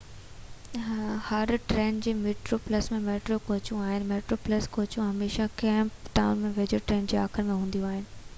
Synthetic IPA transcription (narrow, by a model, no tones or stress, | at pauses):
hɐɾʈɾeːnd͡ʑeːmeːʈɾoplɐsmẽmeːʈɾokoːt͡ɕũaːɦɪnɪ̆meːʈɾoːplɐskoːt͡ɕũɦɐmeːʃakɛɦːmpʈaːʊnmẽʋed͡ʑoʈɾeːnd͡ʑeːaːkʰɪɾmẽɦũːn̆d̪ijũaːɦɪnɪ̆